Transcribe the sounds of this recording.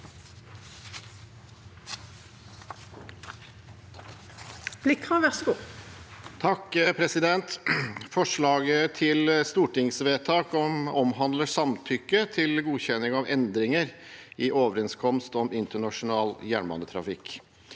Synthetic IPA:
b̥lɪkʁɑʋæʁsɡu | t̪ʰɑkpʰɾɛsɪd̪ɛnt̪fɔʂɭɑːɡət̪ʰɪlst̪uːʈɪŋsʋeːt̪ʰɑːkɔmɔmɦɑnd̪ləʂɑmt̪ʰʏkːət̪ʰɪlɡuːçɛnːɪŋɑʋɛnd̪ɾɪŋəɾ | ɪʔoːʋəɾɛnskʰɔmst̪ɔmɪnt̪əɳɑʂʊnɑːljæːɳmɑ̰nd̪ət̪ʰɾɑ̰fɪkː

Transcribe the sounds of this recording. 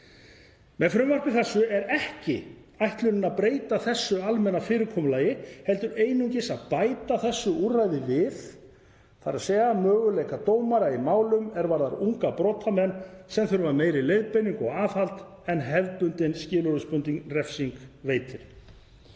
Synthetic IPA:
mɛðfɾʏmvar̥pɪθɛsːʏɛɾɛhcɪ | ajht̪lʏnɪnaðpɾeːjt̪aθɛsːʏalmɛnːafɪːɾɪɾkʰɔmʏlaːjɪhɛlt̪ʏɾeːjnʏɲcɪsaðpaːjt̪aθɛsːʏurajðɪvɪθ | θaɾaðsɛːɣamœːɣʏlejkat̪oːwmaɾaimaːwlʏmɛɾvaɾða̰ɾuŋkapɾɔːt̪ʰamɛnːsɛmθœɾvameːjɾɪlejðpejniŋkɔɣaːfalt̪ | ɛnɦɛvpʏnt̪ɪnscɪːlʏɾʏspʏnt̪iŋkrɛfsiŋkveːjt̪ʰɪɾ̥

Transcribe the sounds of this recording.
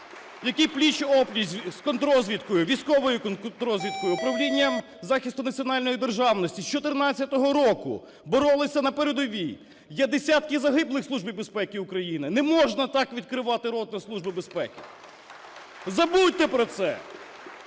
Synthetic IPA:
jɐkiplʲit͡ʃɔplʲisʲskɔnt̪ɾɔzʲʋʲit̪kɔjʊʋʲijsʲkɔʋɔjʊkɔnt̪ɾɔzʲʋʲit̪̚kɔjʊːpɾɐʋlʲinʲːɐm | zɑxʲist̪ʊnɐt͡sʲiɔnɑlʲnɔjid̪erʒɑwnɔsʲtʲist͡ʃɔt̪ɪɾnɑt͡st͡sʲːɐt̪ɔɦɔɾɔkʊ̰ | bɔɾɔlˠɪsʲɐnɐpɛɾed̪ɔʋʲij | jɛd̪esʲɑt̪kɪzɐɦɪblˠɪxsˠuʒbijbespɛkɪʊkɾɐjinɪnɛmɔʒnɐt̪ɑkʋʲid̪̚kɾɪʋɑt̪ɪɾɔd̪̚nɔslˠuʒbɪbespɛkɪ̥ | zɐbut̪ɛpɾɔt̪sɛ̰

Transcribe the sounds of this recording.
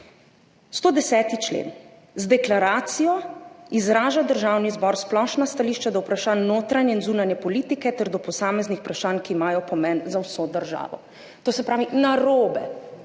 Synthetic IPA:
st̪oːd̪ɛsɛːt̪it͡ʃlḛːn | zd̪ɛklaɾaːt̪sijɔizɾaːʒad̪əɾʒaːwnizbɔɾsplɔʃnast̪aliːʃt͡ʃad̪awpɾaʃaːnːoːt̪ɾanjɛinzuːnanjɛpɔliːt̪ikɛt̪ɛɾd̪ɔpɔsaːmɛznixu̥pɾaʃaːnkiːmaːjɔpɔmɛnzawsod̪əɾʒa̰ːʋɔ̰ | t̪oːsɛpɾaːʋinaɾoːbɛ̰

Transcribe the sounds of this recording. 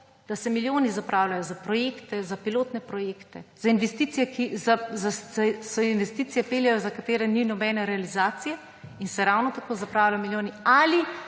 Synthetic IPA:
d̪̥asɛmiljoːnizapɾaːwlajɔzapɾɔjeːkt̪ɛzapiloːt̪nɛpɾɔjeːkt̪ɛz̥ainʋɛst̪iːt̪sijɛkizazasɔinʋɛst̪it̪sijɛpeljajɔzakat̪eːɾɛninɔbɛnɛɾɛalizaːt̪sijɛ | insɛɾawnɔt̪akoːzapɾaːwlajɔmiljoːniali

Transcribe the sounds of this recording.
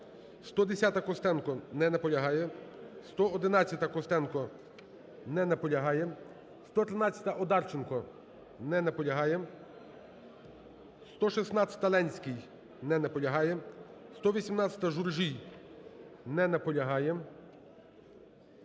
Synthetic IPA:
st̪ɔd̪esʲat̪ɐkɔst̪ɛnkɔnɛnɐpɔlʲɐɦɑjɛst̪ɔɔd̪ɪnɑt͡st͡sʲɐt̪ɐkɔst̪ɛnkɔ | nɛnɐpɔlʲɐɦɑjɛ | st̪ɔt̪ɾɪnɑt͡sʲjɐ̥t̪ɐʔɔd̪ɑrt͡ʃenkɔ | nɛnɐpɔlʲɐɦɑjɛ | st̪ɔʃisnɑt͡sʲɐ̥t̪ɐlˠɛnʲsʲkɪj | nɛnɐpɔlʲɐɦɑjɛst̪ɔʋʲisʲimnɑt͡sʲɐ̥t̪ɐʒurʒij | nɛnɐpɔlʲɐɦɑjɛ

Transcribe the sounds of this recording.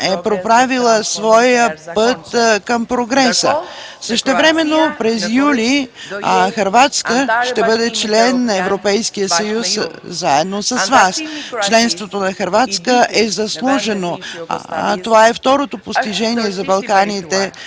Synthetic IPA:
ɛpɾopɾavilˠəsvɔjəpət̪kəmpɾoɡɾɛsəsəʃt̪ɛvɾɛmɛnːopɾɛzjuli | xɐɾvat̪skəʃt̪ɛbɤd̪ɛt͡ʃlɛnːɐɛvɾopɛjskijəsɐjus | zaɛd̪nosɐzvast͡ʃlɛnst̪vot̪onɐxɐɾvat̪skəʔɛzɐslˠuʒɛno | t̪ovaɛft̪ɔɾot̪opost̪iʒɛniɛzɐbɐlˠkanit̪ɛ

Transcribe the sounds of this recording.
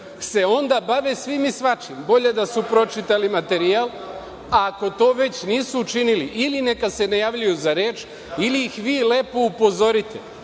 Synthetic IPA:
se̞o̞nd̪abaʋesʋimisʋat͡ʃimbo̞ʎe̞d̪asupɾo̞t͡ʃit̪alimat̪e̞ɾial | ako̞t̪o̞ːʋe̞t͡ɕniːsuːt͡ʃiniliʔiline̞kad̪se̞najaːʋʎujuzaɾeːt͡ʃ | iliːxʋiːle̞ːpoupo̞zo̞ɾit̪ḛ

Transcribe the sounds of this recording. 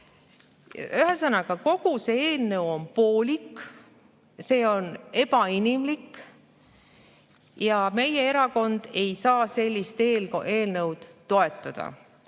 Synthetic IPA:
yɦesɤnɑɡ̥ɑko̞ɡ̥use̞eːlnəwo̞npo̞ːlʲik | se̞ːo̞ne̞pɑinʲimlik | jɑme̞je̞e̞ɾɑko̞nd̪̥e̞jsɑːse̞lʲːist̪eːlʔeːlnəwd̪̥t̪ːo̞e̞t̪ːˑɑd̪̥ɑ̰

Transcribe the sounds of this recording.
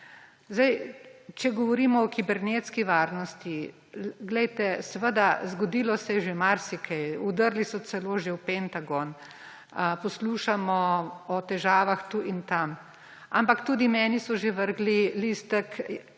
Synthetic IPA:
zd̪ajt͡ʃɛɡɔʋɔɾiːmɔːkibɛɾnet̪skiʋaːɾnɔst̪i | ɡlɛjt̪ɛsɛʋəd̪azɡɔd̪iːlɔsɛɛʒemaɾsikʰɛjud̪əɾlisɔt̪sɛloːʒewpɛnt̪aɡɔn | pɔsluːʃamɔɔt̪ɛʒaːʋaxt̪uːʔint̪am | a̰mpakt̪uːd̪imɛːnisɔʒeʋəɾɡlilist̪ək

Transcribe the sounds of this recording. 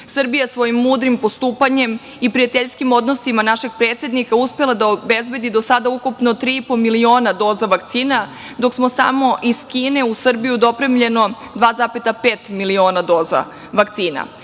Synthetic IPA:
sr̩bijasʋo̞jimːuːd̪ɾimpo̞st̪uːpaɲe̞m | ipɾijat̪eʎskimo̞d̪no̞simanaʃe̞ɡ̥̚pɾeːt̪sje̞d̪nikauspe̞lˠad̪aobezbe̞d̪id̪osad̪aukupno̞t̪ɾiipomilio̞ːnad̪o̞zaʋakt̪siːna | d̪o̞ksmo̞sa̰mo̞ʔiskiːne̞usr̩bijud̪o̞pɾemʎe̞no̞ | d̪ʋaːzapet̪apeːt̪milio̞ːnad̪oːza̰ | ʋakt̪siːna̰

